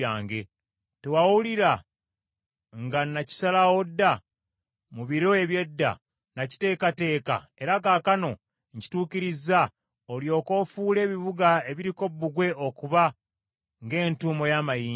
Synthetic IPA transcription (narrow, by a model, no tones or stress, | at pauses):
aːŋɡe̞ | tewawuliɾa | ŋɡanaci̥salawo̞dːa | muβiɾo̞e̞βje̞dːa̰ | naci̥te̞ːkate̞ːka̰ | e̞ɾakaːkano̞ | ɲci̥tuːkiɾiza | oljo̞ːko̞ːfuːle̞ːβiβuɡae̞βiɾiko̞bːuɡwe̞ʔo̞kuβa | ŋɡe̞ːntuːmo̞jaːmajiː